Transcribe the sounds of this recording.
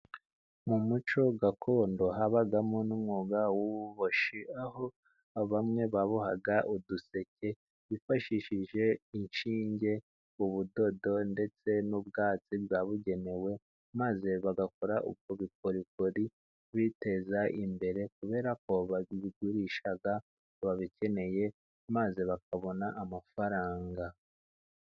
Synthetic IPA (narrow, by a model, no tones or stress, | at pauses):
mumut͡ʃo̞ɡakʰo̞ːndo̞ɦaβaɡamonumŋuːɡawuβuβoʃiaɦo̞ | aβamŋe̞βaβuha̰ɡaʔuduse̞ce̞ | βifaʃiʃiʒe̞inʃiːɲɟe̞ | uβudo̞do̞nde̞t͡se̞nubɡaːt͡sibɡaːβuɟe̞ne̞we̞ | maze̞βaɡakoɾaʔṵb̚ɡoβikoɾikoɾi | βite̞zaʔimbe̞ɾe̞k̚uβe̞ːɾako̞βaβiɡuɾiːʃaɡa | βaβice̞ne̞je̞ | mazeβak̚aβo̞naʔamafaɾaːŋɡa